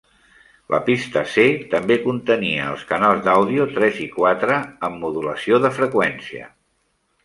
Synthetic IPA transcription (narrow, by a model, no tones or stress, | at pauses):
lʔə̰pist̪əset̪əmbekunt̪əniəə̰lˠskənalˠzd̪awðiut̪ɾɛzikwat̪ɾəːmːuðuləsioðəfɾəkwɛnsiə̰